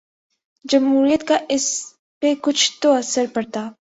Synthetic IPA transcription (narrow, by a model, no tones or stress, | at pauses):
d͡ʒɐmɦuːɾijət̪kaʔɪs | pekʊt͡ʃʰt̪oɐsəɾpɐɾt̪aː